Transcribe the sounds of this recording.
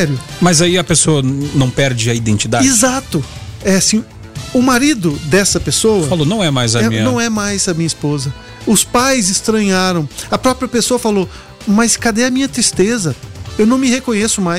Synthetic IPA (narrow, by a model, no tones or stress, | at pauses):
ɛɾjʊmɐzaiɐpesoɐnɐ̃w̃pɛɾd͡ʒɪɐid̪ẽnt͡ʃid̪aizat̪ʊ | ɛsĩ | ʊmaɾid̪ʊd̪ɛsɐpesowɐfɐfalonɐ̃w̃ɛmajzɐĩɲnɐ̃w̃ɛmajzɐmĩɲɐispozɐ | ʊspajzɪst̪ɾɐ̃ɲaɾɐ̃w̃ɐpɾɔpɾiɐpesoɐfalo | mɐskad̪ɛɐmĩɲɐt̪ɾist̪ezɐewnɐ̃w̃mɪhekõɲesʊmaj